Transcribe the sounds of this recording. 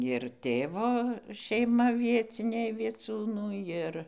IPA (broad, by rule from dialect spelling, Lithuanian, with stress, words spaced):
ɪr ˈtʲeːʋoː ʃʲɛɪˈmɐ ˈʋʲiɛt͡sʲɪnʲɛɪ ʋʲiɛˈt͡sʲuːnuː ˈjɪr